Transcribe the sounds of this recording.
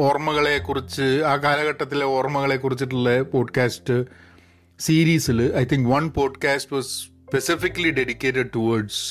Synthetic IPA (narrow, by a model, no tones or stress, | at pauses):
oːrmɐɣɐɭe̞kːurit͡ɕːɨaːkaːlɐɣɐʈːɐt̪ːileoːrmɐɣɐɭe̞kːurit͡ɕːiʈ̬ːuɭːɐpo̞ːɖkaːsʈɨ | siːɾiːsilɐjt̪ʰiŋkʋɐnpo̞ːɖkaːsʈʋɐss | pesifikːɐliɖeɖikʲːeːʈɐɖ̚ʈuʋɐrɖs